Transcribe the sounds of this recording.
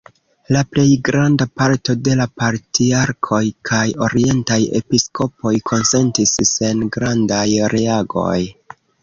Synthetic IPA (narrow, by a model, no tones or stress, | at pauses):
laple̞jɡɾandapaɾto̞de̞lapaɾtiaɾkʰo̞jkʰajo̞ɾie̞ntaje̞̰pisko̞po̞jkʰo̞nse̞ntisse̞nɡɾandajɾe̞aɡo̞̰j